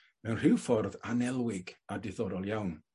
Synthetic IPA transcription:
mɛwnr̥ɪwfɔrðanɛlˠwɪɡadɪðɔɾɔlˠjawn

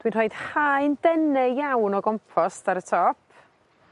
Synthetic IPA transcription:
d̥winrɔːjd̥haɨndɛnɛjawnɔɡɔmpʰɔstaɾətʰɔpʰ

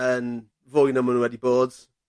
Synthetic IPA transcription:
ən | vojnamɔnuwɛdiboːd̥

